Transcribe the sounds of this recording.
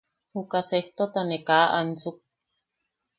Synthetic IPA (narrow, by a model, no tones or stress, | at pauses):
hukaseht̪ot̪anekaʔant͡suk̚